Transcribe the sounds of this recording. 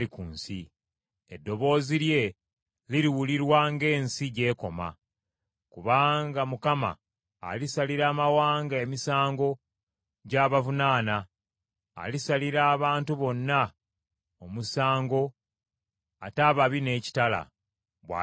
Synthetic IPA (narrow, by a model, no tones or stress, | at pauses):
ikuːnsi | edːo̞βo̞ːziɾje̞ | liɾiwuliɾwaŋɡe̞ːnsiɟe̞ːko̞ma̰ | kuβaːŋɡamukama̰ː | lisaliɾaːmawaːŋɡaemisaːŋɡo̞ | ɟaːβavunaːna̰ː | lisaliɾaːβaːntuβo̞nːa | o̞musaːŋɡo̞ | ataːβaβine̞ːci̥tala̰ | βwa̰